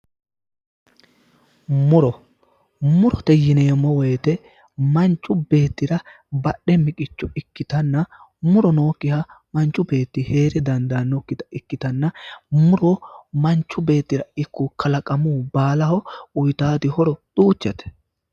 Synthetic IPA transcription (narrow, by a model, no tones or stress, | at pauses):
mʊɾɔ | mʊɾɔt̪ɛjɪneːmɔwɔjɛt̪ɛ | mɐnt͡ʃʼːʊbe̞ːt̪ːɪɾɐ | bɐɗːɛmɪkʼɪt͡ʃːɔɪkːɪt̪ɐnːɐ | mʊɾɔnoːkːɪhɐ | mɐnt͡ʃʼːʊbe̞ːt̪ːɪhe̞ːɾɛd̪ɐnd̪anɔkːɪt̪ɐ̥ɪkːɪt̪ɐnːɐmʊɾɔmɐnt͡ʃːʊbe̞ːt̪ːɪɾɐɪkːukʰɐlɐkʼɐmuːbaːlɐhɔʊjt̪aːd̪ɪhɔɾɔt̪uːt͡ʃːɛt̪ɛ̥